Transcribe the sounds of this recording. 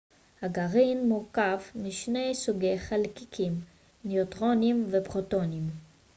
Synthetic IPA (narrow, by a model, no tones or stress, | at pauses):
haɡaʁinmuʁkavmiʃne̞jsuɡejχalkikʰim | neotʁo̞nimvepʁoto̞nim